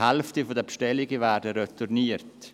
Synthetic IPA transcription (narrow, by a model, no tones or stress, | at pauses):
hɛlftifodəpʃtɛlɪɡəvæːɾdəɾɛturniːərt